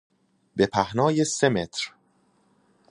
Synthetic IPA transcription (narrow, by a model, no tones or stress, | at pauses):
be̞pʰæhnɒːje̞se̞me̞t̪ʰɾ